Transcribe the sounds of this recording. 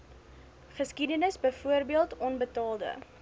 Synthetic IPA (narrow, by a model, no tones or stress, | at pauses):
χəskidənəsbəjfuərbiəlˠtɔnbətɑːlˠdə̰